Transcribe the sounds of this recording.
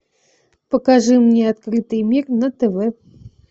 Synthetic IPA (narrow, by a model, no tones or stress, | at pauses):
pɐkaʐɨmnʲɛat̪̚kɾɨt̪ɨjmʲirnɐt̪ɛvɛ